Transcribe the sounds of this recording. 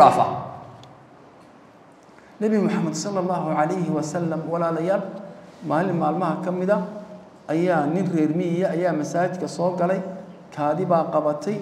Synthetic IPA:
a̰ːfɐ̰ | nɐβɪmʊħɑmːɐd̪sɑlːɑlːɑːɦʊʕɑlɛjɦɪwɐsɐlːɐmwɑlaːlɐjaːlmaːlɪnmaːlmɐɦɐkʰɐmɪðɐ | ʔɐjaːnɪnrɛːrmɪɪjɐɐjaːmɐsaːt͡ʃɪd̪kʰɐsɔːɡɐlɛjkʰaːðɪβaːqɑβɐt̪ʰɛj

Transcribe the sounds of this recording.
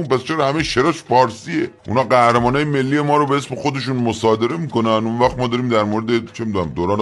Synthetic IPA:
unpæst͡ʃʰeɾɒːhæmeʃeɾɒːʃfɒːɾsieʔṵnɒːɢæhɾemɒːnɒːjeme̞lːije̞mɒːɾobeesme̞xo̞d̪e̞ʃ̬unmosɒːd̪e̞ɾe̞miːko̞nænunvæxt̪mɒːd̪ɒːɾiːmd̪æɾmoːɾe̞d̪et͡ʃʰemiːd̪uːnæmd̪oːɾɒːne

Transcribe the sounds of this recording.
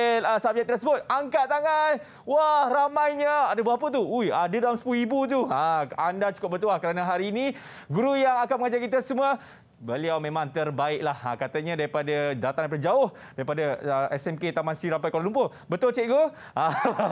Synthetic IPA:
lasap̚d͡ʒaʔ̚t̪əɾasəbʊt̪̚aŋkat̪aŋan | wahramãjɲəadəbapət̪̬uujadədalamsə̥puluibut̪uaandat͡ʃu̥kʊp̚bət̪ulahkəɾanəɦaɾiːni | ɡuɾujaŋakanməŋad͡ʒarkit̪̬asəmuə | bəliawmẽmãŋt̪ərbaɪʔlaha̰kat̪əɲãdaɾipadadalat̪aŋaɾipadəd͡ʒaʊh | daɾipadaəɛsɛmket̪amansɾiɾampajkolalumpʊ | bət̪ʊlt͡ʃɛʔ̚ɡo | a

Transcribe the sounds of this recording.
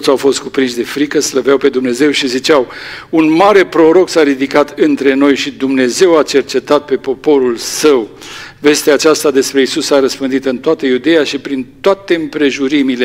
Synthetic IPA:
ot̪sʲawfo̞st̪̚kupɾinʃd̪e̞fɾikəsləvjawpe̞d̪umne̞ze̞wʃizit͡ʃawunmaɾe̞pɾo̞ɾo̞ksaɾid̪ikat̪ɨnt̪ɾe̞no̞jʃid̪umne̞ze̞wat͡ʃe̞rt͡ʃe̞t̪at̪̚pe̞po̞po̞ɾulsəwve̞st̪eaːt͡ʃast̪ad̪e̞spɾe̞isusaɾəspɨnd̪it̪ɨnt̪oat̪əjud̪e̞jaʃipɾint̪oat̪e̞ɨmpɾe̞ʒuɾimile

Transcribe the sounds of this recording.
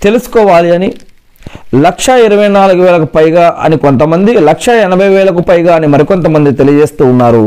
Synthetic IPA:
t̪e̞lusu̥kɔːʋaːliɐni | lɐkʂɐiɾɐʋɐjnaːluɡuʋɛːlɐkupɐjɡaːʔɐ̰niko̞nt̪ɐmɐnd̪ilɐkʂɐɛnɐbʱɐjʋɛːlɐk̬upɐjɡaːɐnimɐɾiko̞nt̪̬ɐmɐnd̪it̪elijɐd͡ʒeːst̪uːnːaːɾu

